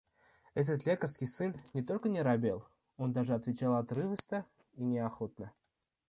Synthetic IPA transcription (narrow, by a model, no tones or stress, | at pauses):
ɛt̪̬ət̪lʲekərskʲɪjsɨnnʲɪt̪o̞lʲkənʲɪɾabʲelˠ | o̞nd̪aʐɨɐt̪vʲɪt͡ɕalˠɐt̪ɾɨvəst̪ə | inʲɪaxo̞t̪̚nə